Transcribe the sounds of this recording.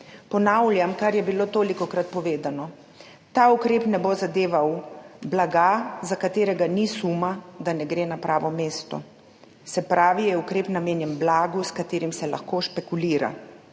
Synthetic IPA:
pɔnawljamkaɾjɛbiloːt̪oːlikɔkɾat̪̚pɔʋeːd̪anɔ | t̪aːukɾeːpnɛbozad̪eːʋawblaɡazakat̪eːɾɛɡanisumad̪anɛɡɾeːnapɾaːʋɔmeːst̪ɔ̰ | sɛpɾaːʋijɛukɾeːpnameːnjɛnblaːɡuskat̪eːɾimsɛla̰xkoːʃpɛkuliːɾa̰

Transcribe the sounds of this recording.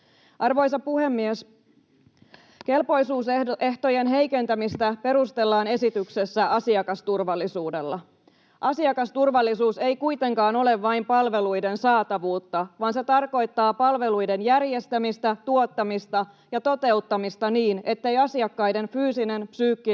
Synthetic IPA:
ʔɑrʋojsɑpuhe̞mːies | ke̞lpo̞jsuːse̞ht̪o̞je̞nɦe̞jke̞nt̪æmist̪æpe̞ɾust̪e̞lːɑːne̞sit̪ykse̞sːæʔɑsiɑkɑst̪urʋɑlːisuːde̞lːɑ | ʔɑsiɑkɑst̪urʋɑlːisuːse̞jkujt̪e̞ŋkɑːno̞le̞ʋːɑjmpɑlʋe̞lujde̞nsɑːt̪ɑʋuːt̪ːɑʋɑːnse̞t̪ɑrko̞jt̪ːɑːpɑlʋe̞lujde̞njærje̞st̪æmist̪æt̪uo̞t̪ːɑmist̪ɑ | jɑt̪o̞t̪e̞ut̪ːɑmist̪ɑniːne̞t̪ːe̞jɑsiɑkːɑjde̞nfyːsine̞npsyːkːi

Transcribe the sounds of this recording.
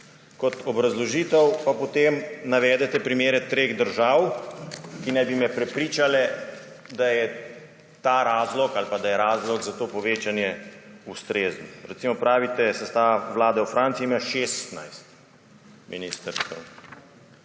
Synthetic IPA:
kɔt̪ɔbɾazlɔʒiːt̪əwpapɔt̪emnaʋɛːd̪ɛt̪ɛpɾimeːɾɛt̪ɾeːɣd̪əɾʒaːw | kinajbimɛpɾɛpɾiːt͡ʃalɛ | d̪ajɛ | t̪aɾaːzlɔkalpad̪ajɛɾaːzlɔkzat̪oːpɔʋeːt͡ʃanjɛust̪ɾeːznɔɾɛt̪simɔpɾaːʋit̪ɛsɛst̪aːʋaʋlaːd̪ɛwfɾʔaːnt̪siimaʃeːst̪na̰jst̪̚ | miniːst̪əɾsk̪ə

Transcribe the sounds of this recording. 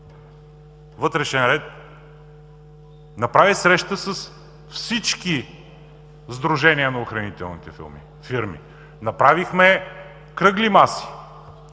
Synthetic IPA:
vɤt̪ɾɛʃɛnɾɛt̪̚ | nɐpɾavisɾɛʃt̪əsəs | fsit͡ʃki | zd̪ɾuʒɛniənɐʊxɾɐnit̪ɛ̰lˠnit̪ɛfḭlˠmḭ | fiɾmḭ | nɐpɾavixmɛ | kɾɤɡlimasi̥

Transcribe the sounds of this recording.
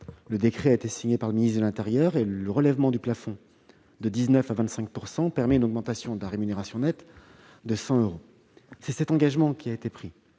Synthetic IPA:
ləd̪ekχɛaet̪esiɲepaʁləministd̪əlɛ̃t̪eʁjœʁelləʁəlɛvmɑ̃d̪yplafɔ̃ | d̪əd̪iznœfavɛ̃t̪sɛ̃k̚puʁsɑ̃pɛʁmɛynɔɡmɑ̃t̪asjɔ̃d̪əlaʁemyneʁasjɔ̃nɛt̪ | d̪əsɑ̃øʁo | sɛsɛt̪ɑ̃ɡaʒmɑ̃kʲiaet̪epχi

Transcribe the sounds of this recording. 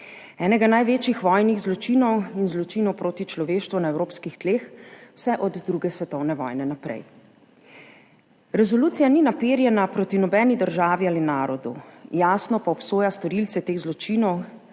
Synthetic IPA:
ɛːnɛɡanajʋeːt͡ʃjixʋɔːjniɣzlɔt͡ʃiːnɔwinzlɔt͡ʃiːnɔwpɾoːt̪it͡ʃlɔʋeːʃt̪ʋunaɛwɾoːpskixt̪leːxw̥sɛʔɔd̪ːɾuːɡɛsʋɛt̪ɔwnɛʋɔ̰jnɛnapɾɛ̰j | ɾɛzɔluːt̪sijaninapeːɾjɛnapɾoːt̪inɔbɛːnid̪əɾʒaːʋialinaːɾɔd̪ṵjaːsnɔpaɔpsoːjast̪ɔɾilt̪sɛt̪eːɣzlɔt͡ʃinɔw

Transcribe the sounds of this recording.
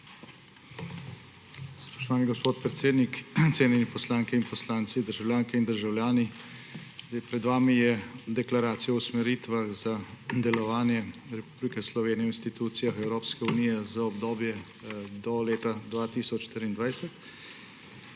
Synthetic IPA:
spɔ̥ʃt̪ɔʋaːniɡɔspoːt̪̚pɾɛt̪seːd̪nikt̪seːnɛnipɔslaːŋkɛinpɔslaːnt̪sid̪əɾʒawlʲjaːŋkɛind̪əɾʒawljaːni | zapɾɛd̪ʋaːmijɛd̪ɛklaɾaːt̪sijausmɛɾiːt̪ʋaxzad̪ɛlɔʋaːnjɛɾɛpublikɛslɔʋeːnijɛwinst̪it̪uːt̪sijaxɛwɾoːpskɛunijɛzaɔbd̪oːbjɛ | d̪ɔleːt̪ad̪ʋaːt̪iːsɔt͡ʃʃt̪iɾiːnd̪ʋajsɛt̪

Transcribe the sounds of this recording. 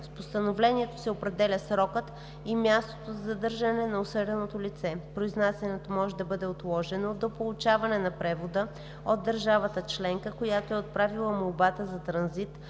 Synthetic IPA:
spost̪ənovlɛniɛt̪o̥sɛopɾɛd̪ɛlʲəsɾɔkət̪ | imʲjast̪ot̪ozɐzɐd̪ɤɾʒənɛnɐosɤɾʲɛnot̪olit̪sɛpɾoiznasʲɛnɛt̪omɔʒɛd̪ɐbɤd̪ɛot̪lˠɔʒɛnod̪opolˠut͡ʃavɐnɛnɐpɾɛvod̪ə | od̪ːəɾʒavət̪ət͡ʃlɛŋkəkojat̪oɛot̪̚pɾavilˠəmolˠbat̪əzɐt̪ɾɐnzit̪

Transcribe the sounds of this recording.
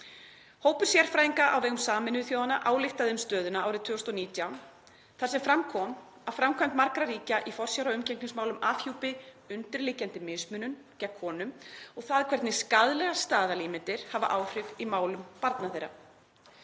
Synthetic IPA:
hoːwpʏɾ̥sjɛɾ̥fɾaːjiŋkaʔa̰wvɛːɣʏmsaːmɪnʏθjoːwanaʔaːwlɪht̪aðɪʏmst̪œːðʏnaaːwɾɪðt̪ʰʏɣɔst̪ɔniːt̪jawn | θasɛmfɾamkʰɔm | afɾamkʰamt̪maɾkɾaɾiːcaʔifɔr̥sjawɾaʏmcɛŋkniŋsmaːwlʏmʔaːfçuːwpɪ | ʏnt̪ɪɾlɪːcant̪ɪmɪsmʏːnʏm | cɛkʰːɔːnʏmɔɣθaðkʰvɛɾt̪nɪskaðlɛɣast̪aːðaliːmɪnt̪ɪɾ̥hava̰ʔaːwfɾɪvimaːwlʏmpaɾt̪naθejɾːa̰

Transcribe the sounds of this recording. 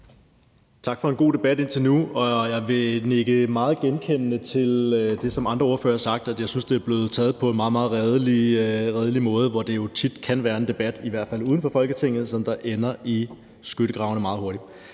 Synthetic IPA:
t͡sʰɑ̈ɡ̥fɒ̽e̝nɡ̥o̝̰ːd̥e̝b̥æd̥e̝n̰t͡sʰe̝lnuɒ̽jɑ̈ɪʋe̝ne̝ɡ̥əmɑ̈ːð̞̩ˠɡ̥enkʰen̰ənət͡sʰe̝ld̥e̝sɒ̽mɑ̈nd̥ʁɐo̝ɐfø̰ːɐsɑ̈ɡ̥̚d̥æd̥jɑ̈ɪsynsd̥eæɐb̥le̝ːð̩ˠt͡sʰɛ̰ːð̩ˠpʰɒ̽e̝nmɑ̈ːð̩ˠmɑ̈ːð̩ˠʁɛðˠəliʁɛːð̞ˠəlimɔ̽ːð̞̩ˠəʋɒd̥e̝jo̝t͡sʰid̥kʰænʋæːɐe̝nd̥e̝b̥æd̥iʋæɐ̰d̥fæl̰uːð̞ˠən̩fɒ̽fɒ̽lɡ̥ət͡sʰe̝ŋ̰ð̞̩ˠsɒ̽md̥ɑ̈ʔenɐʔi | sɡ̥øɾ̥əɡ̥ʁɑ̈ʊnəmɑ̈ːð̩ˠɦo̝ɐɾ̥i̥

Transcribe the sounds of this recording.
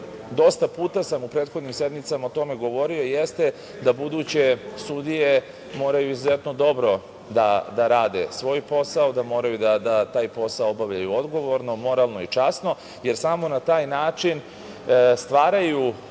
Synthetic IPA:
d̪o̞st̪apuːt̪asamupɾed̪xod̪nimse̞d̪mit̪samaot̪o̞me̞ɡo̞ʋo̞ɾio̞ijest̪e̞ | d̪abud̪ut͡ɕe̞sud̪ije̞ | mo̞ːɾajuizuze̞t̪nod̪o̞bɾo̞ | d̪ad̪aɾaːd̪e̞̰sʋo̞ːjpo̞saod̪amo̞ːɾajud̪ad̪at̪aːjpo̞saoobaʋʎajuo̞d̪ɡo̞ʋo̞ɾno̞mo̞ɾalˠno̞it͡ʂasno̞ | je̞ɾsamo̞nat̪aːjnaːt͡ʃin | st̪ʋaːɾaju

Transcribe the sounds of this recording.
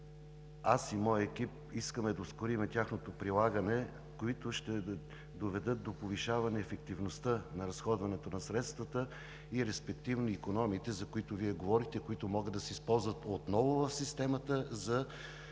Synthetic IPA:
asimɔjəɛkʲip̚ | iskəmɛd̪ɐoskʊɾimɛt̪ʲaxnot̪opɾilˠaɡənɛ | koit̪ʊʃt̪ɛ | d̪ovɛd̪ɤt̪̚d̪opoviʃavɐnɛːfɛk̚t̪ivnost̪ənɐɾɐsxɔd̪vɐnɛt̪onɐsɾɛt̪st̪vət̪ə | iɾɛspɛk̚t̪ivnoikonɔmiːt̪ɛzɐkoit̪ʊviɛɡovɔɾixt̪ɛkoit̪ʊmɔɡəd̪ɐsɛispɔlˠzvət̪ot̪nɔvʊvəfsist̪ɛmət̪əzɐ

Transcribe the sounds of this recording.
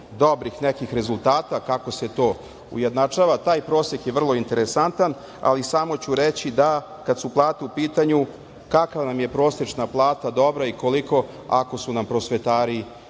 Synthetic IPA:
d̪obɾixnekixɾe̞zulˠt̪aːt̪akako̞set̪o̞ː | ṵje̞d̪nat͡ʂaʋat̪aːjpɾo̞ːsekjeʋr̩lˠo̞int̪eɾesant̪an | a̰lisamo̞t͡ɕuɾet͡ɕid̪a | kad̪suplˠaːt̪eupiːt̪aɲu | kakavanamje̞pɾo̞ːsjet͡ʂnaplˠaːt̪ad̪o̞bɾaiko̞liko̞ | a̰ko̞sunampɾo̞sʋe̞t̪aːɾi

